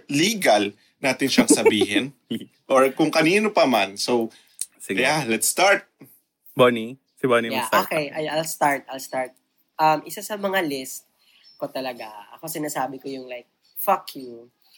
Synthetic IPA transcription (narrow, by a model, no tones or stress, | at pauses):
liːɡɐl | naːt̪ɪnʃɐŋsɐbiːɦɛn | ʔoɹkʊŋkɐniːnopɐmansow | sjalɛt̪st̪aɹt̪̚ | boni | sɪbonijaʔoːkɛjʔɐjalst̪aɹt̪̚ʔɐlst̪aɹt̪̚ | ʔɐmʔɪsasɐmɐŋalɪst̪̚ | ko̞t̪ɐlɐɡaʔɐ̰ko̞sɪnaːsaːbɪkojʊŋlajk̚ | fɐkju